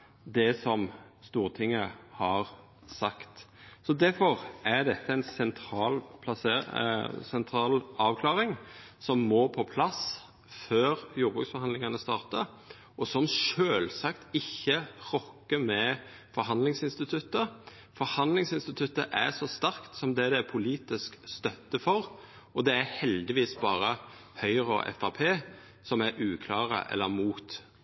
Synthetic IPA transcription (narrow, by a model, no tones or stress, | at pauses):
d̪ɛsɔmst̪uːʁt̪ʰɪŋːəhɑʁ | sɑkt̪sɔd̪æɾfɔʁæɾd̪ɛt̪ʰːəæɪnsɛnt̪ʰɾɑːlpʰlɑse | sɛnt̪ʰɾɑːlɑːʋkʰlɑːɾɪŋsɔmːoːpʰɔpʰlɑs | føːɾjuːɾbʁʉ̰ksfɔɾhɑnd̪lɪŋɑnəst̪ɑːʁt̪əɾ | ʔɔsɔmʃøːlsɑkt̪ɪçːəʁɔkːəmɛ | fɔɾɦɑnd̪lɪŋsɪnst̪ɪt̪ʰʉt̪ːə | fɔɾhɑnd̪lɪŋsɪnst̪ɪt̪ʰʉt̪ːə̰ʔæsɔst̪æɾkt̪sɔmd̪ɛd̪ɛpʰʊliːt̪ɪskst̪œt̪ːəfɔɾ | ɔd̪ɛæhɛld̪ɪʋiːsbɑːɾə | hœʏɾɔ̰ʔɛ̰fɑpʰeː | sɔmæɾʔʉːkʰlɑːʁə̰ʔɛ̰lːəɾmuːt̪